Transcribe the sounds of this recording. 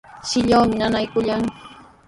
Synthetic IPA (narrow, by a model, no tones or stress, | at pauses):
sɪʎawmɪnanajkʊʎaŋ